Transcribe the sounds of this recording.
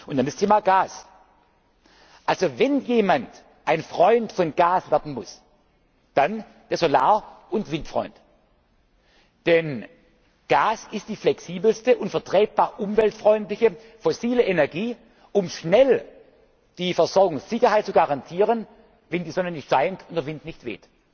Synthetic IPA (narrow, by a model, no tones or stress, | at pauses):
ʊntd̥andastʰeːmaɡ̥aːs | ʔalzovɛnjeːmant | ʔaɪnfʁ̥ɔʏntfɔnɡ̥aːsv̥ɛɐdn̩mʊs | d̥an | d̥eːɐzolaːɐ | ʊntv̥ɪntfʁ̥ɔ̰ʏnt | d̥ɛn | ɡ̥aːsɪstd̥iːflɛksiːbl̩stəʔʊntfɛɐtʁ̥ɛːt̚b̥aːɐʔʊmvɛltfʁɔʏntlɪçə | fɔsiːləʔenɛɐɡiː | ʔʊmʃnɛl | d̥iːfɛɐzɔɐɡʊŋsz̥ɪçɐhaɪt̚t͡suɡaʁantʰiːʁən | vɛndiːzɔnənɪçtz̥aɪntʰʊntd̥eɐvɪntnɪçtv̥ḛːt